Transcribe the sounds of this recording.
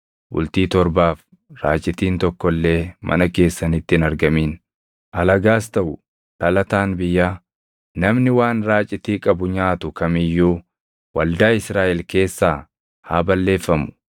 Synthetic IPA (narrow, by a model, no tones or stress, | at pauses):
bʊ̰lt̪iːt̪ɔɾbaːf | ɾaːt͡ʃʼɪt̪iːnt̪ɔkːɔlːe̞ːmʔɐ̰nɐke̞ːsːɐnɪt̪ːɪnɐɾɡɐmiːn | ʔɐlɐɡaːst̪ɐʔʊ | t̪ɐlɐt̪aːnbɪjːaː | nɐmnɪwaːnɾaːt͡ʃʼːɪt̪iːkʼɐbʊɲaːt̪ʊkɐmɪjːuː | wɐld̪aːɪsɾaːʔɛlke̞ːsːaː | haːbɐlːe̞ːfːɐmʊ̥